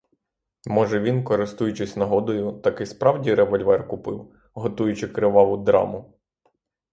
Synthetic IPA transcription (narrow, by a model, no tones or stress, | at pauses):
mɔʒɛʋʲinkɔɾɪst̪ujʊt͡ʃɪsʲnɐɦɔd̪ɔjʊt̪ɑkɪspɾɑwdʲiɾɛʋɔlʲʋɛrkʊpɪw | ɦɔt̪ujʊt͡ʃɪkɾɪʋɑlˠʊd̪ɾɑ̰mʊ